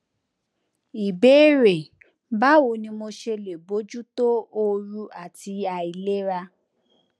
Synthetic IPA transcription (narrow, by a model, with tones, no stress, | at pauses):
i˨be˨˦ɾe˨ | ba˦wo˧nĩ˧mo˧ʃe˧le˨bo˨˦d͡ʒu˦to˦o˧ɾu˧a˦˨ti˧a˨i˨le˦ɾa˧